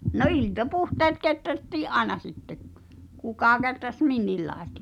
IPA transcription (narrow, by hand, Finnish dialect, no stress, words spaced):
no iltɑpuhteːt ketrætːiːʔ ʔɑenɑ sitːek̆ kukɑ ketræs minːilːɑˑestɑ̥